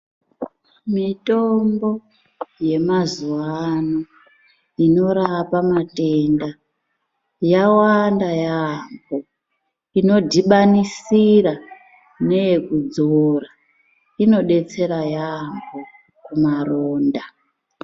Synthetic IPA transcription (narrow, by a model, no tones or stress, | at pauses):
mitombo̞ | je̞mazuwano | ino̞ɾapamatenda | jawandajambo | ino̞dʱiɓanisira | ne̞jekud͡zora | ino̞ɗe̞t͡se̞ɾajamɡo | kumaroːnda